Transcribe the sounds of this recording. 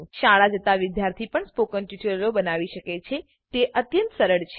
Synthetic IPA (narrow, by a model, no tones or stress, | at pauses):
ʃaɭad͡ʒət̪aʋɪd̪jaɾt̪ʰipəɳspokənʈiʈəllobənaʋiʃəket͡ʃʰe | t̪eʔət̪jə̃nt̪səɾəɭt͡ʃʰ